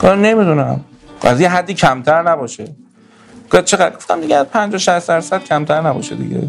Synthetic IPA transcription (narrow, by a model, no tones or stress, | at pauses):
ɡne̞mid̪unæm | æ̰zjieɦæd̪ːiːcʰæmt̪ʰæɾnæbɒːʃe | ɡ̥ojd̪̚t͡ʃʰe̞ɣæd̪ɡo̞ft̪æmd̪iɡeæzpʰænd͡ʒɒːʃæsd̪æɾsæd̪̥̚cʰæmt̪ʰæɾnæbɒ̰ːʃed̪ḭɟḛ